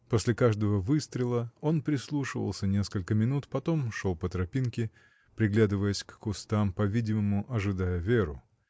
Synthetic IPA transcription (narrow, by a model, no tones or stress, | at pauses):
posʲlʲɪkaʐd̪əvəvɨst̪ɾʲɪlˠəo̞npɾʲɪslˠuʂɨvə̰lˠsʲənʲe̞skəlʲkəmʲɪnut̪pɐt̪o̞mʂolˠpət̪ɾɐpʲinkʲɪ | pɾʲɪɡlʲad̪ɨvəjəsʲkːʊst̪ampɐvʲidʲɪməmʊʔɐʐɨd̪ajəvʲeɾʊ̰